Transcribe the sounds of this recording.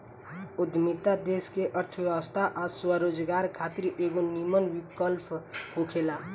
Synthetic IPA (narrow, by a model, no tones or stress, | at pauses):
ʊd̪mɪt̪ad̪eːskeʔəɾt̪ʰəʋjɛəst̪ʰaʔaswəɾoːd͡ʒɡaːɾkʰaːt̪ɪɾʔeːɡonimənwɪkəlpʰɦokʰeːlaː